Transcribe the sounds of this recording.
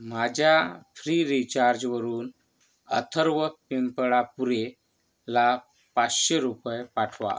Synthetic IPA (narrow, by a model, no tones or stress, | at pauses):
mad͡ʑʱjafʰɾiɾit͡ɕaɾd͡ʑʋəɾuːn | ə̰t̪ʰəɾʋəpimpɭapuɾe | la | pat͡sɕeɾupəjpaʈʰʋa̰